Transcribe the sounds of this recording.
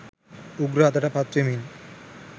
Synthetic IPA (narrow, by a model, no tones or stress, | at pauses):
uɡɾat̪aʈapat̪ːɾemil